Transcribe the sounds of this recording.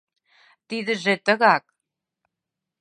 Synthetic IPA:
t̪iðɘ̆ʒet̪ə̆ɣɑk

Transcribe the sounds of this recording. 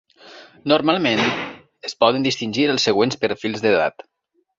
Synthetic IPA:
nuɾmalˠmen | əspɔðənd̪ist̪inʲʒiɾəlˠsːəɣ̞wenspəɾfilˠzðəða̰t̪

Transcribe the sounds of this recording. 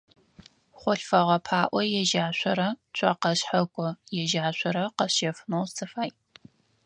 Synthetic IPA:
χʷɔɬfɐʁɐpʰaːʔʷɔjɛʒaːɕʷɔɾɐt͡ʃʷʰʼɐqɐɕħɐkʷʼɔjɛʒaːɕʷɔɾɐqɐɕɐfnowsʰɨfaːj

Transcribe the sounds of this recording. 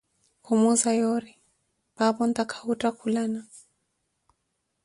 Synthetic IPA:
kumuzajɔɾi | papɔntakʰḁutakʰulana

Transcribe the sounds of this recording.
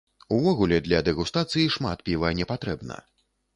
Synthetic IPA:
uvɔɣulʲɛd̪lʲɐd̪ɛɣust̪at̪sɨjiʂma̰t̪pʲivɐnʲɛpat̪ɾɛbnɐ̰

